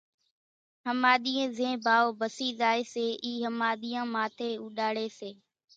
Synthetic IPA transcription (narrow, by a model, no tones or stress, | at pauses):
ɦəmaːɗ̪iːẽːzẽːbʱaːoːbəsiːzaːeːseːʔiːɦəmaːɗ̪iːãːmaːt̪ʰeːuːɗaːɽeːseː